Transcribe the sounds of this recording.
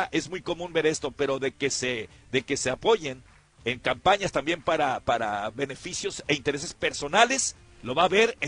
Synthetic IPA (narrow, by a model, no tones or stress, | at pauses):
aʔe̞zmujko̞mũnbe̞ɾe̞st̪o̞pe̞ɾo̞ðe̞ke̞seðe̞ke̞se̞apo̞ʝe̞n | eŋkampaɲast̪ambje̞mpaɾapaɾaβe̞ne̞fisjo̞se̞int̪e̞ɾe̞s̬e̞spe̞ɾso̞nale̞s | lo̞βaβe̞ɾe